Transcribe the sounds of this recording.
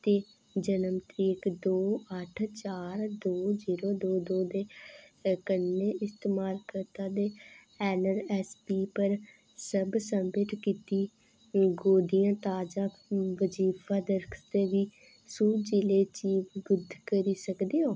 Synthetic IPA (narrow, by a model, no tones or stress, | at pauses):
t̪eː | d͡ʒənəmt̪ɾiːɪkd̪oːəʈʰt͡ʃaːɾd̪oːziːɾoːd̪oːd̪oːd̪eː | kənːeɪst̪eːmaːlkəɾt̪ãːd̪eː | ɛːnəɾɛːspiːpəɾ | səbsəmbəʈkiːt̪iː | ɡoːd̪ijãːt̪aːd͡ʒaː | ʋəd͡ʒiːpʰaːd̪əɾkʰt̪eːʋiː | suːd͡ʒɪleːt͡ʃiːbɡʊd̪ʱkəɾiːsəkd̪eːoː